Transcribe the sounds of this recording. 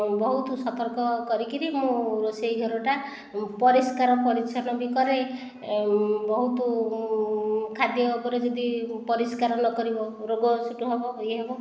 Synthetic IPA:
bɔɦut̪usɔt̪ɔɾkɔkɔɾikinimũɾosejɡʱɔɾɔʈa | pɔɾiskaɾɔpɔɾisʰɔnɔbikɔɾej | bɔɦut̪u | kʰad̪jɔːpɔɾed͡ʒɔd̪ipɔɾiskaɾɔnɔkɔɾibɔɾoɡɔsuʈuɦebɔɦojɦebɔ

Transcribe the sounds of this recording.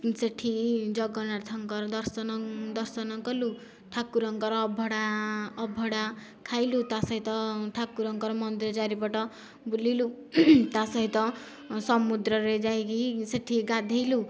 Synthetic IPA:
seʈʰid͡zʌɡʌnaɾt̪ʰʌŋkʌɾd̪ʌɾsʌnd̪ʌrsʌnʌkʌlu | ʈʰakːuɾʌŋkʌɾːbʱʌɽaːbʱʌɽa | kʰajlut̪asʌɦĩt̪ʌʈʰakːuɾʌŋkʌɾmʌnd̪iɾʌd͡zaɾibaʈʌ | bulilu | t̪asʌɦĩt̪ʌ | sʌmud̪ɾʌɾed͡zajkiseʈʰːiɡad̪ʱejlu

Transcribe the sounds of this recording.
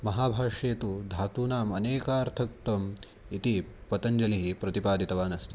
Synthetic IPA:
mɐɦaːbʱaːʂeːt̪ud̪ʱaːt̪uːnaːmɐneːkaːɾt̪ʰɐk̚t̪ɐm | it̪ipɐt̪ɐɲd͡ʒɐliɦipɾɐt̪ipaːd̪ʱit̪ɐʋaːnɐst̪i̥

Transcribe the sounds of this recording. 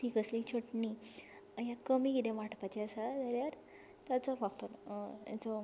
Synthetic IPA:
ʈikəslit͡ɕʰoʈni | jakəmikit̪ẽʋaʈpat͡ɕeəsad̪əɾjaɾ | t̪jat͡sɔfakt̪ota̰t͡sɔ

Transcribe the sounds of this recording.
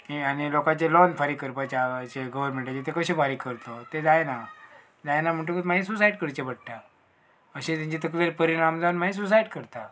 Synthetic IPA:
ɦianilokat͡ɕelɔnfʰəɾikəɾpat͡ɕat͡ɕeɡəʋɾm̤əɳʈat͡ɕet̪ekəɕẽbʱaɾikəɾt̪ot̪ed͡zajna | d͡zajnam̤əɳʈ̪̬ukət̪maĩs̬us̬aiɖ̚kəɾt͡ɕebəɽʈ̪a | əɕẽt̪jãɲt͡ɕit̪ək̬ʋeɾpəɾiɽ̃amd͡zaunmaɦĩs̬us̬aiɖkəɾt̪a

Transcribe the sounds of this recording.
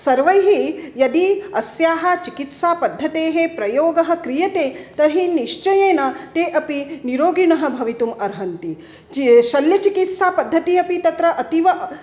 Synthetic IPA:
sɐɾʋɐjɦijɐd̪iɐsjaːɦɐt͡ʃikit̪saːpɐd̪ʱːɐt̪eːɦepɾɐjoːɡɐɦɐ̆kɾijɐt̪eːt̪ɐɦiniʃt͡ʃɐjeːnɐt̪eːʔɐpiniɾoːɡiɳɐɦɐ̆bʱɐʋit̪umɐɾɦɐnt̪i | ʃɐljɐt͡ʃikit̪saːpɐd̪ʱːɐt̪iɐpit̪ɐt̪ɾɐʔɐt̪iʋɐ

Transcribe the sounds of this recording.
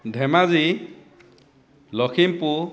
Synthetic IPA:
dʱɛmazi | lɔkʰimpu

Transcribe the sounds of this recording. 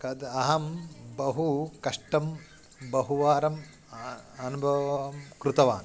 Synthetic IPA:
kɐd̪ɐɦɐmbɐɦukɐʂʈɐm | bɐɦuʋaːɾɐm | ɐnubʱɐʋɐʋɐmkɾut̪ɐʋaːn

